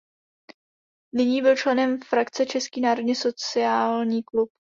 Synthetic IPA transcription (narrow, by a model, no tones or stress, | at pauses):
nɪɲiːbɪlt͡ʃlɛnɛmfɾakt͡sɛt͡ʃɛskiːnaːɾo̞dɲɛso̞t͡sɪaːlɲiːklup̚